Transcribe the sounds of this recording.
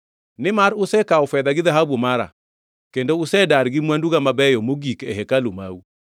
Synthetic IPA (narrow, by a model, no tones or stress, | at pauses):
nɪmaɾʊsɛkaofɛðaɡɪðaɦabumaɾa̰ | kendoʊsɛdaɾɡɪmwanduɡamabɛjɔmoɡikɛɦɛkaloma̰u